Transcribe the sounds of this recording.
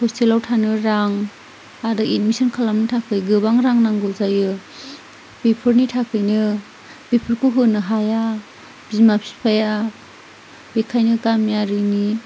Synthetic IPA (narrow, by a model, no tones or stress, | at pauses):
pʰɔstʰelawtʰanɯɾaŋ | adɯʔit̚misɯnkʰalamnitʰakʰɯjɡɯbaŋɾaŋnaŋɡɯwzajɯ | b̥epʰɯɾnitʰakʰɯjnɯ | b̥epʰɯɾkʰuɦɯnɯɦaja | b̥izmapʰi̥spʰaja | b̥ekʰajnɯɡamijaɾɯni